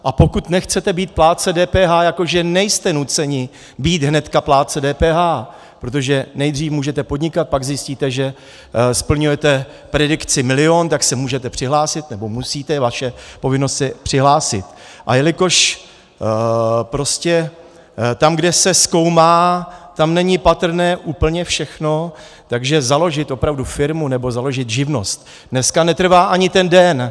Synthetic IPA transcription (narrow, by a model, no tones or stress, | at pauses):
ʔapo̞kut̪nɛxt͡sɛt̪ɛbiːt̪̚plaːt͡sɛdɛːpɛːɦaːjako̞ʒɛnɛjst̪ɛnut͡sɛɲɪ | biːt̪ɦnɛt̪kaplaːt͡sɛdɛːpɛːɦaː | pɾo̞t̪̬o̞ʒɛnɛjd̪r̝iːfmuːʒɛt̪ɛpo̞d̪ɲɪkat̪̚paɡzjɪsciːt̪ɛʒɛ | spl̩ɲujɛt̪ɛ | pɾɛdɪkt͡sɪmɪlɪoːnt̪aksɛmuːʒɛt̪ɛpr̝̥ɪɦlaːsɪt̪nɛbo̞musiːt̪ɛvaʃɛpo̞vɪno̞st̪sɛpr̝̥ɪɦlaːsɪ̰t̪ | ʔa̰jɛlɪko̞ʃ | pɾo̞scɛ | t̪amɡdɛsɛsko̞wmaːt̪amnɛɲɪpat̪r̩nɛːʔuːpl̩ɲɛfʃɛxno̞ | t̪aɡʒɛzalo̞ʒɪt̪ʔo̞pɾavdufɪɾmunɛbo̞zalo̞ʒɪt̪ʒɪvno̞st̪̚ | nɛskanɛt̪r̩vaːʔaɲɪt̪ɛndɛn